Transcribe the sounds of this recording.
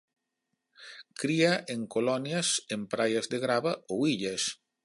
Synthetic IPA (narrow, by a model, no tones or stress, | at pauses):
kɾiaʔeŋkolɔnjasempɾajazd̪eɣɾaβaowiʎes